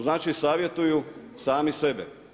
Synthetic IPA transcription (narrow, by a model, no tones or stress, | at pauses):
znaːt͡ʃisaːʋje̞t̪ujusaːmise̞bḛ